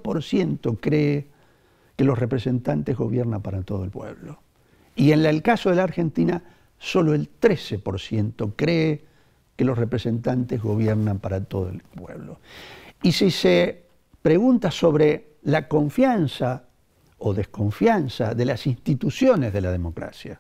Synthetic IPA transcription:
po̞ɾsjent̪o̞kɾeː | kelo̞sre̞pɾese̞nt̪ant̪ezɣo̞βjeɾnampaɾat̪oðoelpwḛβlo | ienlelkaso̞ð̞elaɾxe̞nt̪ina | so̞loe̞lt̪ɾesepo̞ɾsje̞nt̪okɾeː | kelo̞srepɾese̞nt̪ant̪ezɣo̞βjeɾnampaɾat̪oðo̰ḛlpwḛβloisise | pɾeɣunt̪aso̞βɾe | lako̞ɱfjansa | oðe̞hko̞ɱfjansaðe̞lasinst̪it̪usjo̞ne̞zð̞e̞laðemo̞kɾa̰sja

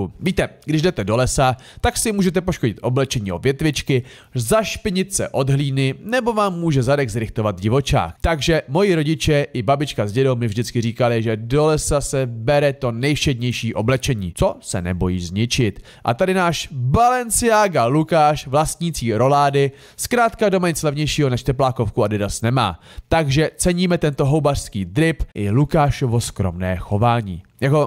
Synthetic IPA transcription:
viːt̪ɛɡdɪʒdɛt̪ɛdo̞lɛsa | t̪aksɪmuːʒɛt̪ɛpoʃkoɟɪt̪ʔo̞blɛt͡ʃɛɲiːo̞̰vjɛt̪vɪt͡ʃkɪ | zaʃpɪɲɪt̪sɛ̰ʔo̞dɦliːnɪnɛbo̞vaːmːuːʒɛzadɛɡzɾɪxt̪o̞vat̪̚d͡ʒɪvo̞t͡ʃa̰ːkt̪aɡʒɛmo̞jiɾo̞ɟɪt͡ʃɛʔɪbabɪt͡ʃkazɟɛdowmɪvʒdɪt͡skɪriːkalɪʒɛdo̞lɛsasɛbɛɾɛt̪o̞nɛjfʃɛdɲɛjʃiːʔo̞blɛt͡ʃɛɲḭːt͡so̞sɛ̰nɛ̰bo̞jiːzɲɪt͡ʃɪt̪ | ʔa̰t̪adɪnaːʃbalɛnt͡sɪaːɡalukaːʃvlast̪ɲit͡siːɾo̞laːdɪ | skɾaːt̪kadomaɲɪt͡slɛvɲɛjʃiːɦo̞nɛʃt̪ɛplaːko̞fkuadɛdasnɛma̰ːt̪aɡʒɛt͡sɛɲiːmɛt̪ɛnt̪o̞ɦowbar̥skiːd̪ɾɪpʔɪlukaːʃovo̞skɾo̞mnɛ̰ːxo̞vaːɲḭːjako̞

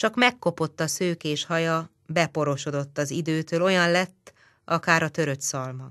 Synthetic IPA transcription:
t͡ʃɒkmɛkːo̞po̞t̪ːɒsøːkeːʃhɒjɒ | bɛpo̞ɾo̞ʃo̞d̪o̞t̪ːɒzid̪øːt̪øːlo̞jɒnlɛt̪ː | ʔɒkaːɾɒt̪ø̞ɾøt̪sɒlmɒ

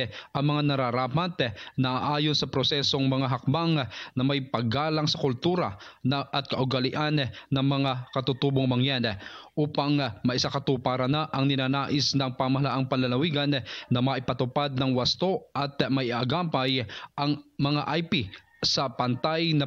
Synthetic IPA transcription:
ʔɐŋmɐŋanɐɾaɾaːmat̪nɐʔaʔaːjonsɐpɾosɛso̞ŋmɐŋaɦɐk̚baŋnɐmajpɐɡaːlaŋsɐkʊlt̪uːɾɐ̰nɐʔɐt̪̚kɐʔʊɡalɪʔanːɐŋmɐŋakɐt̪ut̪uːboŋmɐŋjanɛʔuːpaŋmɐjʔɪsakɐt̪upaɾɐnaʔɐŋnɪnaːnaːʔɪsnɐŋpamɐhɐlaʔɐŋpɐnlɐlɐwiɡɐnːɐmɐʔɪpɐt̪ʊpad̪̚nɐŋwɐst̪oʔɐt̪̚majʔɪʔaɡaːmpajʔɐŋmɐŋaʔajpi | sɐpɐnt̪ajnɐ

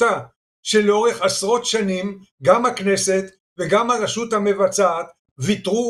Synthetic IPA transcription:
a | ʃeleo̞ʁe̞χasʁo̞tʃanimɡamhakne̞se̞t̪ | veɡamhaʁeʃut̪hame̞vat͡saːt̪ | vit̪ʁu

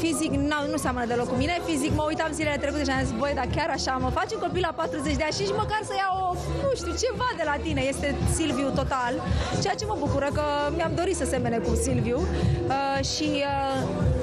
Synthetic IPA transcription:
fiziknanuseamənəd̪e̞lo̞kːumine̞fizikməujt̪amzilele̞t̪ɾe̞kut̪e̞ʃiazikvojd̪akʲaɾaʃaməfat͡ʃuŋko̞pilapat̪ɾuzet͡ʃd̪eanʃiʃiməkarsəjawo | nuʃt̪iut͡ʃe̞vad̪e̞lat̪ine̞je̞st̪e̞silviut̪o̞t̪alt͡ʃe̞jat͡ʃe̞məbukuɾəkəmiamd̪o̞ɾit̪səse̞menekusilviuə | ʃiə

